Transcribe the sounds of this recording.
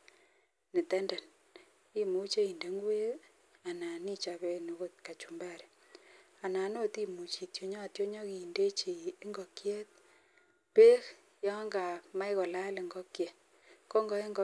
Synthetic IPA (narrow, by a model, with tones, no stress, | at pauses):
nɪ˨tɛ˦ndɛ˨n | i˦mu˦t͡ʃe˦i˨nde˨ŋɡu˦e˦ | a˨na˨ni˦t͡ʃa˨pe˦ne˨ko˦t̪̚ka˨t͡ʃu˨mba˦˨ɾe˨ | a˨na˨no˦ti˦mu˨t͡ʃi˨tjo˨ɲɔ˦˨tjo˦ɲɔ˦kiː˨nde˦t͡ʃi˨˦ŋɡɔ˨kjɛ˦t̪̚ | pe˦k | jɔ˦ŋɡa˨ma˦jkɔ˨la˦le˨ŋɡɔ˦kjɛ˨ | ko˦ŋɡɔ˦e˦ŋɡ